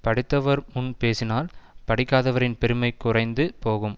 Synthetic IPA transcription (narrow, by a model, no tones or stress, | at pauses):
pɐɽɪt̪ːɐʋɐɾmʊnpeːsɪnaːlpɐɽɪkːaːðɐʋɐɾɪnpɛɾɯmɐɪkːʊrɐɪnd̪ɯpoːɣɯm